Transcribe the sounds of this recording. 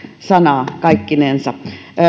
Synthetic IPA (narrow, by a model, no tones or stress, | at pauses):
sɑnɑˑkɑikːinensɑ